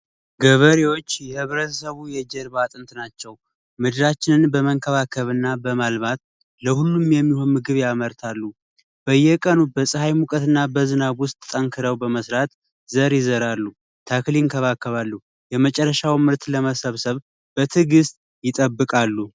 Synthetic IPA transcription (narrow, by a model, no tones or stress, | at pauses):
ɡəβəɾewo̞t͡ʃːjɛhɨβɾət̪ʰəsəβujɛd͡ʒɛɾbat̪ʼɨnt̪ʰnat͡ʃːɛw | mɨd̪ɨɾat͡ʃːɪnɨnbəməŋkʰəβakʰəβɨnːabəmalβat̪̚ | ləhulːumjɛmːiho̞nmɨɡɨβjaməɾt̪ʰalːu | b̥əjːɛkʼənubəsʼɨhajmukʼət̪ɨnːabəzɨnaβwʊst̪ʼt̪ʼəŋkʰɨɾəwbəməsɾat̪ | zəɾjɪzəɾalːu | t̪ʰakliɪŋkʰəβakːəβalːu | jɛmət͡ʃʼɛrːəʃawmɨɾt̪ləməsəβsəβ | b̥ət̪ʰɨɡɨst̪ʼ | jɪt̪ʼəbːɨkʼalːu